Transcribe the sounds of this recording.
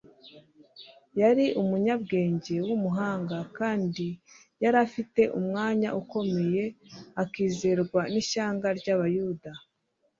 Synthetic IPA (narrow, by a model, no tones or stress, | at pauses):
jaɾiʔumuɲab̚ɡe̞ːɲɟe̞wumuɦaːŋɡakaːndi | jaɾafite̞ʔumŋaːɲa̰ʔuko̞me̞je̞akiːze̞ɾɡwaniʃaːŋɡaɾɟaβajuːda